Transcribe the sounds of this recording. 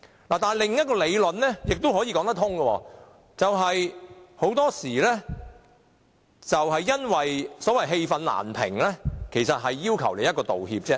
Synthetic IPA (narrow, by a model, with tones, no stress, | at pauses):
laː˨˩t̪aː˨nlɪ˨˩ŋjɐt̚kɔː˧le˨˧jlɵ˨nlɛː˥jɪ˨k̚t̪o˥wɦɔː˨˥jiː˧kɔː˨˥ŋt̪ɐ˥kt̪ʰʊ˥ŋɡə˧wɔ̰ː˧ | t͡sɐ˨wɦɐ˨jho˨˥wt̪ɔː˥siː˨˩lɛː˥ | t͡sɐ˨whɐ˨jːɐ˥nwɐ˨jsɔː˨˥wɐ˨jɦe˧jfɐ˨˧nla̰ː˨˩npʰɪ̰˨˩ŋlɛː˥kʰe˨˩jsɐ˨t̚ɦɐ˨jːiː˥wkʰɐ˨˩wle˨jɐ˥t̚kɔː˧t̪o˨whiː˧p̚t͡sɛː˥